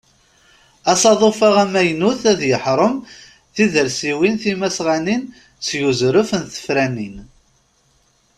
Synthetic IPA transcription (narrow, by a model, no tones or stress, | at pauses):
æsɑðˤofaʁæmæjnuθæðjəħɾˤəm | θiðəɾsiwinθimæsʁænin | sjuzɾʊfənθə̥fɾænin